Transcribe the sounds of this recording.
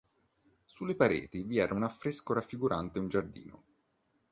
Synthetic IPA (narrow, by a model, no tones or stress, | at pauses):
sulːepaɾḛːt̪iviɛːɾʔaunafːɾeskoɾafːiɡuɾʔant̪eund͡ʒard̪ḭːno̰